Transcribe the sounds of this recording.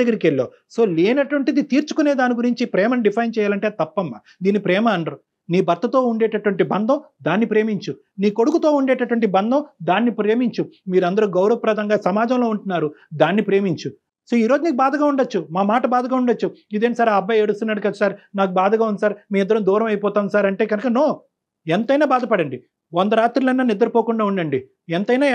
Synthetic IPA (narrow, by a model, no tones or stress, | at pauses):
ɐɡːɐɾikeɭːoː | so̞ːleːnɐʈʋɐɳʈid̪it̪iːɾt͡ʃu̥kune̞ːd̪aːniɡuɾiɲt͡ʃipɾɛːmɐniɖipʰɐjnt͡ʃɛːjaːlɐɳʈe̞ːt̪ɐpːɐmːa̰ː | d̪iːnipɾɛːmɐːɳɖɐɾu | niːbʱɐɾt̪ːɐt̪o̞ːuɳɖɛːʈɐʈʋɐɳʈibɐnd̪ʱɐ̃m | d̪aːnːipɾe̞ːmiɲt͡ʃu | niːko̞ɽukut̪o̞ːuɳɖɛːʈɐʈʋɐɳʈibɐnd̪ʱɐmd̪aːnːipɾe̞ːmiɲt͡ʃumiːɾɐnd̪ɐɾuːɡɐwɾɐʋɐpɾɐd̪ɐŋɡaːsɐmaːd͡ʒɐmloːuɳʈunːaːɾud̪aːnːipɾe̞ːmiɲt͡ʃu | soːiːɾoːd͡ʒuniːkubaːd̪ɐɡaːuɳɖɐt͡ʃːumaːmaːʈɐbaːd̪ʱɐɡaːuɳɖɐt͡ʃːuid̪eːnisaːɾɐbːɐjeɽust̪unːɐɽukɐt͡ʃːu̥saːɾnaːk̬ubaːd̪ʱɐɡaːund̪isaːɾmiːid̪ːɐɾɐmd̪uːɾɐmɐjpɔːt̪aːnsaːɾɐɳʈe̞ːɡɐnɐkɐnoː | ɛnt̪ɐjnaːbaːd̪ʱɐpɐɽɐɳɖi | ond̪ɐɾaːt̪ɾilɐnːɐnid̪ːɐɾipoːkuɳɖaːuɳɖɐɳɖi | ɛnt̪ɐjnaː